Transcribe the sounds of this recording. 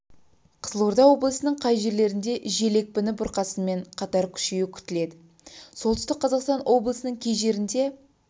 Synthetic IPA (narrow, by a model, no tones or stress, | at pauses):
qʰəzəlˠoɾd̪ɑwo̞blˠəsənəɴqʰɑjʒe̞ɾle̞ɾɪnd̪e̞ʒe̞le̞k̚pɪnɪbʊɾqɑsənme̞ɴqʰɑt̪ɑɾkʲʰʏ̥ʃejɪkʲʰʏ̥t̪ɪle̞d̪ɪ | so̞lˠt̪ə̥ʏst̪ɪk̚qʰːɑzɑqst̪ɑnwʔo̞blˠəsənəɴkʲʰe̞jʒe̞ɾɪnd̪e̞